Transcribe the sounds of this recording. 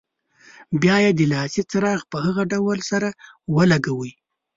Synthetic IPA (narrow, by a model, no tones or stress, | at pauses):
bjɑjed̪əlɑsit͡sɾɑɣpəhaɣaɖawəlsaɾa | wəlaɡawi